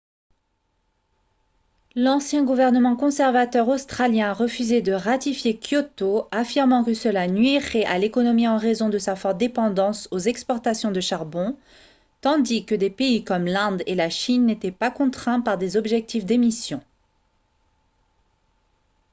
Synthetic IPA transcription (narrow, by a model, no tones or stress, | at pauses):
lɑ̃sjɛ̃ɡuvɛʁnəmɑ̃kɔ̃sɛʁvat̪œʁost̪χaljɛ̃ʁəfyzed̪əʁat̪ifjekjot̪oafiʁmɑ̃kəsəlanɥiʁɛʔalekɔnɔmiɑ̃ʁezɔ̃d̪əsafɔʁt̪̚d̪epɑ̃d̪ɑ̃sozɛkspɔʁt̪asjɔ̃d̪əʃaʁbɔ̃ | t̪ɑ̃d̪ikəd̪epeikɔmlɛ̃d̪elaʃinːet̪ɛpakɔ̃t̪χɛ̃paʁd̪ezɔbʒɛk̚t̪ifd̪emisjɔ̃